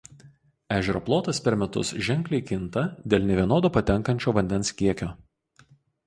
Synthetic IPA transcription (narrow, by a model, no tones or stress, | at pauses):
æːʒʲɛɾoːplˠoːt̪ɐspʲɛɾmʲɛt̪ʊ̰sʒʲɛŋʲˑklʲɛɪkʲɪnt̪ɐd̪ʲeːlʲnʲɛʋʲiɛnoːd̪ʊpɐt̪ʲɛŋˑkɐnʲt͡ʃʲoːʋɐnʲd̪ʲɛnskʲiɛkʲoː